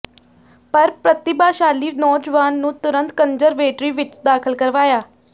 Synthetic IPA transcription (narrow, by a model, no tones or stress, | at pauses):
pəɾpɾət̪ɪbaːʃaːliːnɔːd͡ʒʋaːnːũːt̪ʊɾə̃nt̪kənzəɾʋeːʈɾiːʋɪt͡ʃd̪aːkʰəlkəɾʋaːjaː